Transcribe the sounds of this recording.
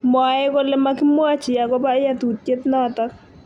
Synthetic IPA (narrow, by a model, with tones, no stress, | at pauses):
m˨a˨ɛ˦ko˦lɛ˦ma˦kɪ˦mwa˦t͡ʃɪ˨a˨kɔ˦pa˦ɪ˦ja˦tu˨t̚ke˦tnɔ˦tɔ˦k